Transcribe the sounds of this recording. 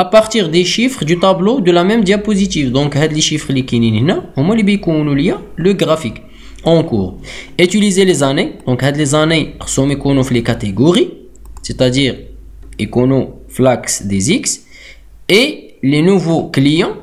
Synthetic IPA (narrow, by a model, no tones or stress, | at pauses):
ʔapaʁt̪iʁd̪eʃifχd̪yt̪ablod̪əlæmɛmd̪japozit̪̬ifd̪ɔ̃khæd̪leʃifʁlikininhnæhʊmːælibikonoljaləɡʁafik | ɑ̃kṵʁet̪ylizelezaned̪̥ɔ̃khæd̪lezaneʁsomekonofilekat̪eɡoʁi | set̪æd̪iʁ | ekono | flaksd̪eziks | e | lenuvoklijɑ̃